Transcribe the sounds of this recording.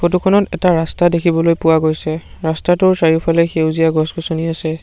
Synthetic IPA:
xot̬ukʰɔnɔtɛtaɹastadekʰibɔlojpʊwaɡojsɛɹastatʊɹsaɹipʰalɛxewzijaɡɔsɡɔsoniasɛ

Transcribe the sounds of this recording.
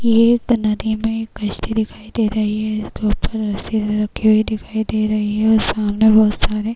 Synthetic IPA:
jeknɐd̪imẽkːɐʃt̪id̪ɪkʰaːid̪eːɾɐɦiɦɛɪskeʊpːəɾɐsilɾɐkʰːiɦuid̪ɪkʰaːid̪eːɾɐɦiɦɛɔɾsaːmnebɔːʊt̪saːɾe

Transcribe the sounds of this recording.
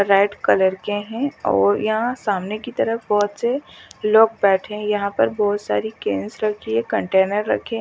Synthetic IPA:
ɾaːɪɖkɐləɾkeɦɛ̃ɔ̰ːɾjɐɦãsaːmnekit̪ɐɾəfbɔːʊt̪seloːɡ̚bɛːʈʰẽjɐɦãpɐɾbɔːt̪sa̰ːɾikeːnsɾɐkʰliekɐ̃ɳʈeːnəɾːɐ̰kʰẽ

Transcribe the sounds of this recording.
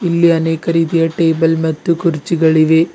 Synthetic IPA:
ilːiɐneːkɐɾiːd̪ijɐʈeːbɐlmɐt̪ːukuɾt͡ʃːiɡɐɭiʋeː

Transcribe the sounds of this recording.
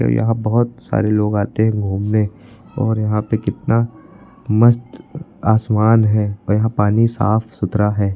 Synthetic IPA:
jɐ̰ɦãbɐɦʊt̪sa̰ːɾeloːɡaːt̪eɦɛ̃ɡʱuːmne | ɔːɾjɐɦãpekɪt̪na | mɐst̪aːsmaːnɦɛːjɐɦãpaːnisa̰ːfʰsʊt̪ɾaɦɛː

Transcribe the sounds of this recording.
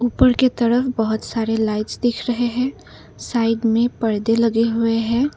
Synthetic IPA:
uːpəɾket̪əɾəfʰbəɦʊt̪saɾelaɪʈsd̪ɪkʰɾəɦeɦɛ̃ | saːɪɖmẽpəɽd̪eləɡeɦʊeɦɛ̃ː

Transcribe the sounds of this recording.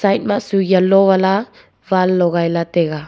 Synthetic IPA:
sajt̚maʔsuɡijalɔβala | valːɔɣajlat̪ɛɣa

